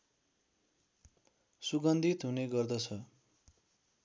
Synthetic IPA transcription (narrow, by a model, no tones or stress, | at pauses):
suɡʌnd̪ʱit̪ɦuneɡʌrd̪ʌt͡sʰʌ